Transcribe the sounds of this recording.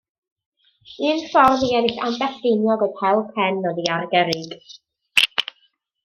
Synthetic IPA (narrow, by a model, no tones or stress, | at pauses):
ɨːnfɔrmiɛnɪɬa̰nbɛsd̥ɪnjɔɡɔdhɛlˠkʰɛnːɔðiarɡɛɾɪɡ̥